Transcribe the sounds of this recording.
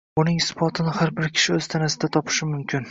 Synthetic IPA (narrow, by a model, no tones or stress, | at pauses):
ʊnɪŋsɪ̥fɒt̪ʰɪnɪhaɾbɪɾkʲʰɪ̥ʃɪɵz̥t̪ʰanasɪd̪at̪ʰɒpʰɪ̥ʃɪmʊmkʲʰɪn